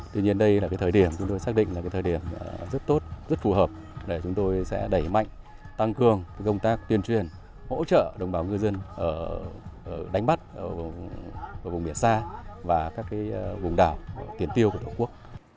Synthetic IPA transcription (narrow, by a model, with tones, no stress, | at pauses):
t̪wi˧ɲi˧ənɗə˧jlaː˨˩kaː˨˦t̪ʰəː˨˩jɗi˧˩əmt͡ɕʊ˨˦ŋ͡mt̪o˧jsaː˦˥k̚ɗḭ̈˧˨ŋ̟la˨kaː˨˦jt̪ʰːɗi˧˩əmzə˦˥t̚t̪o˦˥t̚zə˦˥t̚fu˨˩həː˨˩p̚ | ɗe˧˩t͡ɕʊ˨˦ŋ͡mt̪o˧jsɛ̰˧˥ɗə˧˩jma̰˧˨jŋ̟ | t̪a˧ŋkɨ˧˩əŋaː˨˦kə˧wŋ͡mt̪aː˦˥k̚t̪wi˧ənt͡ɕwi˨˩ən | ho̰˧˥t͡ɕə̰ː˧˨ɗə˨˩wŋ͡mɓaː˨˩wŋɨ˧zə˧nʔəː˧˩ʔə˧˩ɗa˨˦jŋ̟ma˦˥t̚ʔəː˧˩vʔəː˧˩vŋ͡mɓi˧˩ənsaː˧vaː˨˩kaː˦˥kːaː˨˦jvʊ˨˩ŋ͡mɗaː˧˩wt̪i˨˩ənt̪i˧əku˧˩ə˩t̪ʰo˧˩ku˦˥ək̚